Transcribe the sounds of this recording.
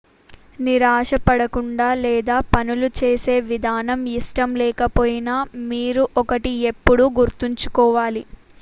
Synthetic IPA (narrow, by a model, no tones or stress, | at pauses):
niɾaːʂɐpɐɽɐkuɳɖaːlɛːd̪aːpɐnulut͡ʃeːse̞ːʋid̪ʱaːnɐmiʂʈɐmlɛːkɐpoːjinamiːɾuʔɔkɐʈie̞pːuɽuɡuɾt̪uɲt͡ʃu̥kɔːʋaːli